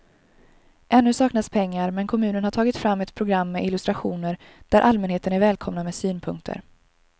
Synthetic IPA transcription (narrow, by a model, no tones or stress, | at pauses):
ʔɛnːɵsɑːknaspʰɛŋːaɾmɛnkʰɔmʉ̟ːnənhaʈʰɑːɡɪt̪fɾamːɛt̪pʰɾʊɡɾamːɛʔɪlɵst̪ɾaɧuːnəɾ | d̪̥æɾʔalmɛnheːt̪ənæɾvɛːlkʰɔmnamɛːsyːnpʰɵŋk̚t̪ʰə̰ɾ